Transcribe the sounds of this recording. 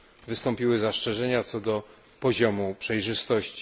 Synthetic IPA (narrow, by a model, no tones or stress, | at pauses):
vɘst̪ɔmpʲiwɘzast͡ʂɛʐɛɲat̪sɔd̪ɔ | pɔʑɔmupʂɛjʐɘst̪ɔɕt͡ɕi